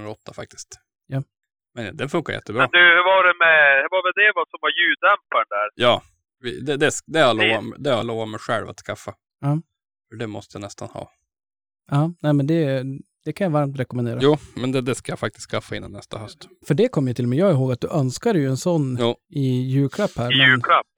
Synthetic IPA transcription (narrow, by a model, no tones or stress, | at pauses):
nɾɔt̪ʰːafak̚t̪ɪ̥st̪ | ja | mɛnd̪ɛnfɵŋkaɾjɛ̰t̪ːəbɾɛːd̪ɵhʉvɑɖɛmɛhʉvɑvɛld̪ɛvasɔmvajʉːd̪ɛmpaɳɖ̪æɾjɑː | vɪ̰d̪ɛd̪ɛsd̪ɛaloːvamd̪ɛaloːvamɛjɧɛ̰lva̰t̪skʰafːa | ɑː | fœɖɛmɔst̪əjanɛst̪ʰanhɑ̰ː | ɑːnɛːmɛnd̪ɛ | d̪̥ɛkʰanjavaɾmt̪ɾɛkɔmɛnd̪eːɾajuːmɛnd̪ɛd̪ɛskajafak̚t̪ɪst̪kʰafːaɪnːa̰nːɛst̪ʰaɦœst̪fœɖɛkʰɔmːjat̪ʰɪlːɔmɛjɑːɡɪɦoːɡat̪̚d̪ɵʔœnskad̪ɛjɵɛnsɔnːjːɪjʉ̟ːkʰlapːhæːɾmɛjʉːlapː